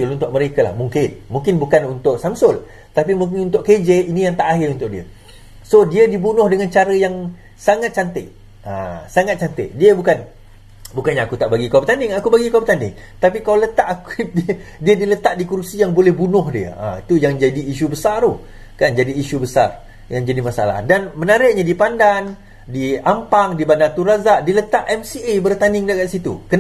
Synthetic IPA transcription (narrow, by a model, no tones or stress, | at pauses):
lunt̪ʊʔ̚məɾekala̰hmuŋkɪnmuŋkɪnbukanunt̪ʊʔsamsʊl | t̪apimuŋk̬ɪnunt̪ʊʔked͡ʒeinijaŋt̪aʔaɦɪrunt̪ʊʔ̚diə̰ | sodiədibunʊ̃hdəŋant͡ʃaɾəjaŋ | saŋat̪̚t͡ʃant̪ɪ̰ʔ | a̰saŋat̪̚t͡ʃant̪ɪ̰ʔdiəbukan | bukanɲaːkut̪aʔbaɡikawpət̪andɪŋakubaɡikawpət̪andɪ̰ŋt̪ap̬ikalalət̪aʔakdidiadilət̪aʔdikursijaŋbolɛhbunʊhdiə̰a̰it̪ujaŋd͡ʒadiːʃ̬ubəsaro | kand͡ʒadiːʃubəsa̰r | jaŋd͡ʒadimasaa̰la̰hdanmənaɾɪʔ̚ɲadipandan | diampaŋdibanat̪uɾazaʔdilət̪aʔɛmsiebərt̪anɪŋdakat̪sit̪ṵkən